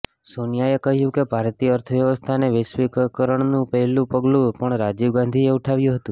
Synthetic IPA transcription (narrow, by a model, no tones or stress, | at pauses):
sonijaekəɦjũkebʱaɾt̪ijəːɾt̪ʰəʋjəʋəst̪ʰaneʋesʋikkəɾəɳnũpəɦlũpəɡlũpəɳɾad͡ʒiʋɡãnd̪ʱieuʈʰaʋjũɦət̪ũ